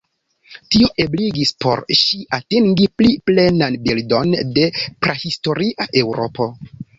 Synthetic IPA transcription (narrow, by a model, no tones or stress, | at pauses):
tioʔe̞bliɡispo̞̰ɾʃiʔatiŋɡipliple̞nanbildo̞nde̞pɾehisto̞ɾiʔaʔe̞wɾo̞̰po̞